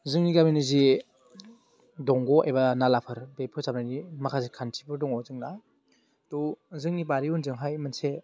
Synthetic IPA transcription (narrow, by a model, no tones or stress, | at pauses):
zɯŋniɡaminɯzi | dɔŋɡɔʔḛbanalapʰɯɾbepʰɯzabnanimakʰazikʰantʰipʰɯɾdɔŋɔzɯŋna | tɔzɯŋnibaɾiunzɯŋɦajmanse